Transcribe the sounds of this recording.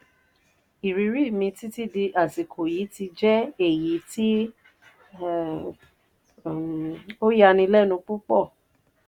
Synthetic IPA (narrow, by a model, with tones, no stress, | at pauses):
i˨ɾi˨˧˦ɾi˦˨mĩ˧ti˦ti˦˨di˧ʔa˨si˨kʰo˨ji˨˦ti˧d͡ʒɛ˦e˦˨ji˨˦ti˦˨ | o˦ja˧nĩ˧lɛ˦nũ˧k͡pu˦k͡pɔ˦˨